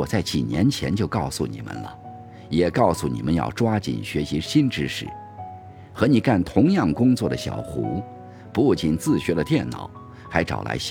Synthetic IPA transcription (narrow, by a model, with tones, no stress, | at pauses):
ɔ˨˩t͡sa˥˩ɪt͡ɕḭ˨˩njɛ˧˥nt͡ɕʰjɛ˧˥nt͡ɕjo˥˧ʊkɑ˥˩ʊsṵ˨˩nḭ˨˩mə̰˦nlə̰˩ | jɛ˨˩kɑ˥˩ʊsu˨˩nḭ˨˩mə˦njɑ̰˥˩ʊʈ͡ʂwa˥t͡ɕḭ˨˩nɕɥɛ˧˥ɕi˧˥ɕi˥nʈ͡ʂɻ̩˥ʂɻ̩˥˩ | xɤ˧˥ni˨˩ka˥˩nt̪ʰʊ˧˥ŋjɑ˥˩ŋkʊ˥ŋt͡swɔ˥˩d̪ə˩ɕjɑ̰˨˩ʊxṵ˧˥ | pu˥˩t͡ɕi˧˩nt͡sɹ̩˥˩ɕɥɛ˧˥də˧t̪jɛ˥˩nnːɑ̰˨˩˦ʊ | xa˧˥ɪʈ͡ʂɑ̰˨˩ʊlʔa̰˧˥ɪ